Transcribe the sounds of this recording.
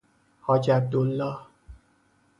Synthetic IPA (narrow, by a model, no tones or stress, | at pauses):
hɒːd͡ʒæb̚d̪olːɒːh